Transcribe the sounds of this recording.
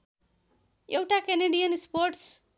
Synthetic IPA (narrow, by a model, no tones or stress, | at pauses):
ewʈakeneɖijənspoɾʈs